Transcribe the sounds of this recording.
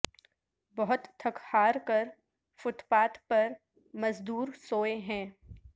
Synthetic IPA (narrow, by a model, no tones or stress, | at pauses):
bɐɦʊt̪t̪ʰːɐkhaːɾkɐɾ | fʊt̪paːt̪pɐɾ | mɐzd̪uːɾsoːeɦɛ̃ː